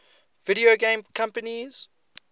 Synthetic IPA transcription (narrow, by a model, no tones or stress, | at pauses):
viɾioɡẽmkʰãmpəniz̥